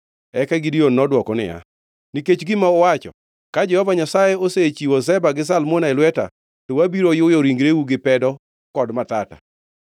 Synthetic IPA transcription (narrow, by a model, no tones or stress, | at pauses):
ɛkaɡɪdionːɔdwɔkɔnɪ̰ja̰ | niket͡ʃɡɪmaɔwat͡ʃɔ̰ | kad͡ʒɛhɔvaɲasajeoset͡ʃiwɔs̬ɛbaɡɪs̬almonaelwɛta̰ | towabiɾojʊjɔɾiŋɡɾeuɡɪpɛdɔ | kɔdmat̪ata̰